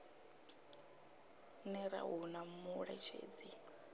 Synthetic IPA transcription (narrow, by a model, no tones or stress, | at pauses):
nɛɾa̰ɦunamuɺɛt͡ʃʰḛːd͡zi